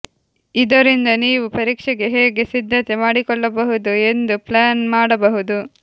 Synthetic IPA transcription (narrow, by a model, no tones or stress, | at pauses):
id̪ɐɾind̪ɐniːʋupɐɾiːkʂɛɡe̞ɦeːɡe̞sid̪ʱːɐt̪e̞maːɽikɔɭːɐbɐɦud̪ue̞nd̪uplaːnmaːɽɐbɐɦud̪u